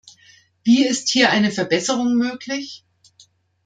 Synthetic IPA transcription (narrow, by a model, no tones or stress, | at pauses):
viːɪsthiːɐʔaɪnəfɛɐbɛsəʁʊŋmøːklɪç